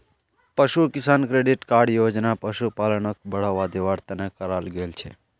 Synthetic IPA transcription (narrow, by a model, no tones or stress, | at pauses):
pəʃukɪsaːnkɾeɖɪʈkaːɾɖjoːd͡ʒnapəʃupaːləɳək̚bəɽaʋad̪eʋaːɾt̪ɐnekəɾaːlɡeːlt͡ʃʰḛ